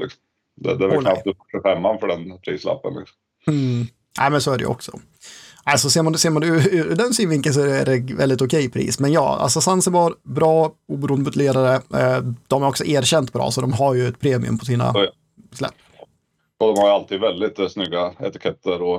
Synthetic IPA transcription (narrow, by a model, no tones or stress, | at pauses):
lɪksɔ̥m | d̪ɛ̰d̪ɛvɛknap̪̚d̪ɵfɔʈɪfɛmːanfœɖɛnpʰɾḭːsla̰pːə̰nlɪ̰ksɔ̥m | m̩ | ʔæ̰ːmɛnsoːæɖɛ̰j̰ə̰ɔ̰ksɔ̰ | ʔæsɔseːɾmand̪seːɾmad̪ɛd̪ɛnsɪnvɪŋkəns̬ɔææɖɛvɛ̰ld̪ɪt̪ʊkʰɛjpʰɾḭːsmɛnjɑ̰ːa̰sɔsansɛbɑɾbɾɑːuːbəɾuːnd̪mʊt̪ʰɪleːɾaɾəd̪ɔmæɾɔksɔʔeːɾɕɛnt̪bɾɑ̰ːsɔd̪ɔmɦaɾjɵɛt̪̚pʰɾeːmɪɵ̰mpʰɔsiːna̰ | slɛ̰pː | ɔd̪ɔmhaɾjəalt̪ʰiːd̪vɛld̪ɪt̪snʏɡːaɛ̰t̪ɪ̥kʰɛt̪ʰːəɾɔ